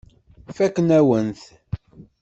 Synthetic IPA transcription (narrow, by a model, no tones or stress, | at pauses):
fækːənæwənθ